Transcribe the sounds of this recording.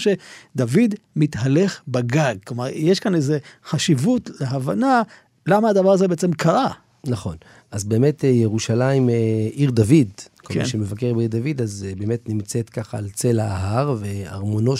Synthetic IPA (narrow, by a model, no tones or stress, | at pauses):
ʃed̪avid̪ | mit̪ɦale̞χbaɡaɡ̚klomaʁjeʃkanezeχaʃivutleɦavana | lamaːd̪avaʁazebeet͡semkʰaʁa | naχo̞n | azbeːmet̪ejeʁuʃalaimeʔiʁd̪avid̪koiʃemevakeʁbeid̪avid̪azbe̞ːmet̪nimt͡set̪kaχaːlt͡selaːɦaʁvea̰ʁmo̞no̞